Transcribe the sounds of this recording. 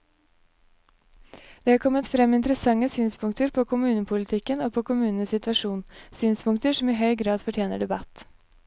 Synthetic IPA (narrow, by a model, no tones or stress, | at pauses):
d̪̥ɛːhɑɾkʰɔmːət̪fɾɛmɪnt̪əɾəsɑŋːəsyːnspʰʊŋkt̪əɾpʰoːkʰʊmʉːnəpʰʊlɪt̪ʰɪkːənoːpʰoːkʰʊmʉːnnəsɪt̪ʋɑʂuːnsyːnspʰʊŋt̪əʂɔmiːɦœʏɡɾɑːd̪fɔʈʰjeːnəɖɛbɑ̰t̪